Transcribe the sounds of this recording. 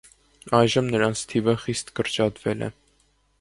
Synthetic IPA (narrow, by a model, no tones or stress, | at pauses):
ɑjʒəmnəɾɑnt͡sʰt̪ʰivəχist̪kəɾt͡ʃɑt̪vɛlʔɛ̰